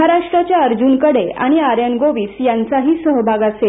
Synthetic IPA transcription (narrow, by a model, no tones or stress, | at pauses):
aɾaʂʈɾat͡ɕjaəɾd͡ʑunkəɽea̰ɽ̃iaɾjənɡoʋiːsjant͡saɦiːsəɦbʱaɡase